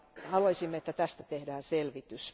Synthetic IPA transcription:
hɑlɑisimːeet̪ːæt̪æst̪æt̪ehdæːnselʋit̪ys

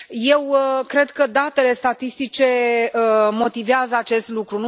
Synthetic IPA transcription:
je̞wkɾe̞d̪kəd̪at̪e̞le̞st̪at̪ist̪it͡ʃe̞əmo̞t̪iveazəat͡ʃe̞st̪lukɾunu

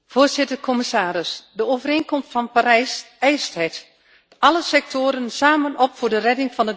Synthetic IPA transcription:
foːrzɪtərkʰɔmisaːɾɪsdəowvəreːnkɔmstfɑnpaɾɛjs | ɛjstɛjt | ɑləsɛk̚tʰoːɾənsaːmənɔpfoːdərɛdɪŋfɑnə

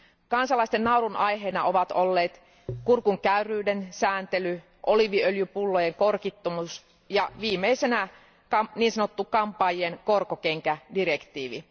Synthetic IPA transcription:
kɑnsɑlˑɑist̪ennɑuɾunʔɑjɦeːnɑʔoʋɑt̪olːeːt̪ | kurkuŋkæyrˑyːdensæːnt̪ely | ʔoliʋiøljypulːojeŋkorkit̪ːomus | jɑʋiːmeisenæ | kɑmniːnsɑnot̪ːukɑmpɑːjenkorkokeŋkædirekt̪iːʋḭ

